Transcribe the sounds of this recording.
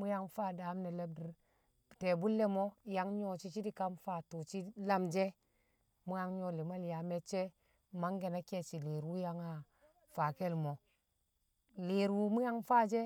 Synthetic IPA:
mu˦ja˦ŋfaː˦˨da˨˦mne˨le˦b̚di˨ɾ | te˨bu˦lːe˦mo˦ja˦ŋɲo˦t͡ʃi˦t͡ʃi˦di˦ka˦mfa˦˨tu˨t͡ʃi˦la˦md͡ʒe˦ | mu˦ja˦ŋɲo˦li˨ma˦lja˨me˦t͡ʃe˦ | ma˦ŋɡe˨na˦ke˦t͡ʃi˨li˨ɾwu˦ja˦ŋa˨ | fa˨ke˦lmo˨ | le˨ɾwu˨mu˦ja˦ŋfa˦˨d͡ʒe˦

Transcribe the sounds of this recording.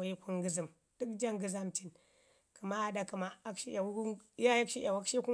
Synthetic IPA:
ji˦kʷu˦ŋɡi˦zi˨m | d̥u˦kd͡ʒa˦ŋɡɨ˨za˦mt͡ʃi˨n | ki˨ma˦a˨da˦ki˨ma˦a˦kʃi˦ʔʲa˨˦ja˦ja˦kʃi˦ʔʲa˨wa˦kʃi˦ku˦

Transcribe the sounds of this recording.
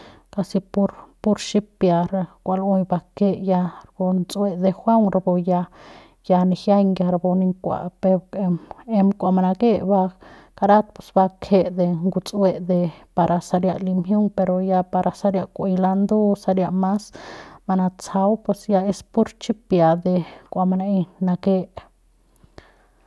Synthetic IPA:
ka˧si˧pu˧ɾpu˦ɾt͡ʃi˦pja˧ɾkʷa˧lo˧jba˧ke˧ʔja˧ɾbo˧nt͡sʼwe˧d̪e˧xʷa˦ŋɾbo˧ja˧ | ja˧ni˧xja˦jŋɡja˧ɾbo˧ni˧ŋkʷa̰˨pe˧ɾ | e˧mkʷa˨ma˧na˧ɡe˦ba˧ | ka˧ɾa˦t̪̚pe˨sba˧kʰe˧d̪e˧ŋɡu˧t͡sʼwe˧d̪e˧pa˧ɾʔa˧sa˧ɾja˧ʔli˧mhju˦ŋpe˧ɾo˧ja˧pa˧ɾʔa˧sa˧˦ɾja˧kʷe˧jla˧nd̪u˦sa˧ɾja˧ma˦sma˧na˧t͡sa˧wpwe˧sja˧e˧spu˦ɾt͡ʃi˦pja˨d̪e˧kʷa˨ma˧na˧e˧na˧ɡe˧ʔ

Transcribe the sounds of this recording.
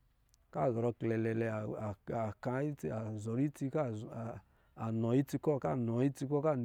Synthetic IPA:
ka˦˨zɔ˨ɾɔ˧klɛ˨lɛ˨lɛ˧˨a˨ka˧˦i˦a˨zɔ˨ɾi˦ti˧ka˦˨ | a˨nɔ˨˦i˦ti˧kɔ˦˨ka˦˨nɔ˨i˦ti˧kɔ˦ka˦˨n

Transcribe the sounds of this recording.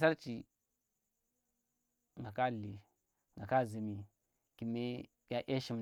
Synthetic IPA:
sa˦ɾt͡ʃi˨ | ŋɡa˨ka˦li˨ | ŋɡa˨ka˦zi˨mi˨ | ki˨me˦ | ja˦ʔe˦ʃi˨m

